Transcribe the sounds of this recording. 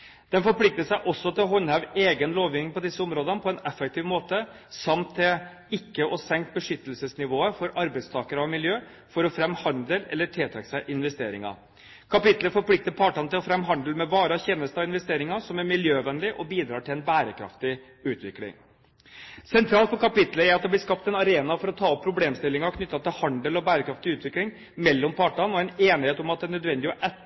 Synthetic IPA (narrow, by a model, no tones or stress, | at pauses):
d̪̥ɛnfɔɾpʰlɪk̚t̪əʂæɪʔɔsːɔt̪ʰɪlɔɦɔnhæʉʋeːɡənloːʋjɪːnɪŋpɔd̪ɪsːəʊmɾoːd̪ənpʰɔɛnɛfːɛk̚t̪ʰiːʋmoːt̪ə | sɑmt̪ʰːɪl | ɪkːəʔɔsɛŋkt̪̚bəʂʏt̪ːəlsəsnɪʋoːəfɔɾɑɾbæɪst̪ʰɑːkəɾɑʋmɪljøː | fɔɾɔfɾɛmhɑnd̪ləlɛ̰lːəʈʰeːt̪ʰɑksæɪʔɪnʋɛst̪eːɾɪŋɑ̰ | kʰɑpɪt̪ləfɔɾpʰlɪk̚t̪əpʰɑːʈɑnəɪlɔfɾɛmɦɑnd̪əlmɛʋɑːɾɑçeːnəst̪ɑʋɪnʋɛst̪eːɾɪŋɑsɔmæɾmɪljøːʋɛnlɪʔɔbiːd̪ɾɑːʈʰɪlɛnbæːɾəkʰɾɑ̰ft̪ɪ | ʉːt̪ʋɪklɪ̰ŋ | sɛnt̪ʰɾɑːlt̪pɔkʰɑpɪt̪ləæɾɑt̪̚d̪ɛblɪskɑpt̪ɛnɑɾeːnɑfɔɾɔt̪ʰɑːɔpʰːɾʊbleːmst̪ɪlːɪŋɑɾɔkʰnʏt̪ːɑt̪ɪlhɑnd̪əlɔbæːɾəkʰɾɑft̪ɪʉːt̪ʋɪklɪŋ | mɛlːɔmpʰɑːʈɑnɔɛneːnɪheːt̪ɔmɑt̪̚d̪ɛnːœd̪ʋɛnd̪ɪɔʔɛ